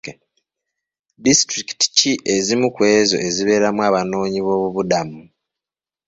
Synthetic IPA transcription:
distɾiki̥ti̥ciʔe̞zimukwe̞ːzo̞̰ʔe̞ziβe̞ːɾamwaːβano̞ːɲiβo̞ːβuβudamu

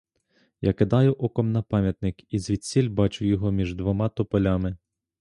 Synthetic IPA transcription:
jɑkɪd̪ɑjʊʔɔkɔmnɐpɑmʲjɐt̪nɪkizʲʋʲid̪̚ʲt͡sʲilʲbɑt͡ʃʊjɔɦɔmʲiʒd̪ʋɔmɑt̪ɔpɔlʲamɪ

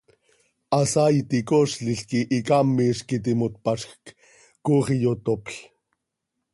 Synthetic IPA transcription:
ɑsajt̪ikoʃɬiɬkiʔikamːiʃkit̪̬imot̪̚paʃxk | koχijot̪opɬ

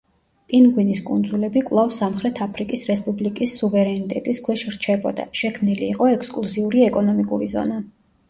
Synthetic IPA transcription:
pʼinɡwiniskʼund̪zulɛbikʼvlˠafsamχɾɛt̪ʰapʰɾikʼisɾɛspʼublikʼisːuvɛɾɛnit̪ʼɛt̪ʼiskʰwɛʃɾt͡ʃʰɛbɔ̰d̪a̰ʃɛkʰmniliːqʼɔɛkskʼlˠuziuɾiɛkʼɔnɔmikʼuɾizɔ̰na

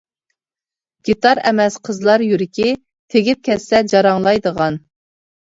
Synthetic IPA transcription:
ɡʲit̪ɑɾɛmɛsqʰəzlˠɑɾjyɾɪkʲi | t̪ʰeɡʲɪp̚kʲʰɛsɛd͡ʒɑɾɑŋlˠɑjd̪əʁɑn

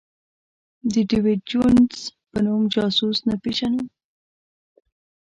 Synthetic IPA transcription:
d̪əɖiwed͡ʒunzpənumd͡ʒɑsusnapiʃanu

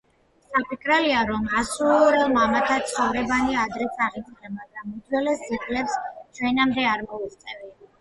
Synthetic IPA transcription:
sapʰikʰʼɾɛliaɾɔmasuɾɛlˠmamat̪ʰat̪sʰχɔvɾɛbaniad̪ɾɛt̪sʰaʁisʼlɛmaɡɾamud̪wɛlɛsiχʼlɛpst͡ʃʰwɛnamd̪ɛaɾmɔist̪sʼɛvi

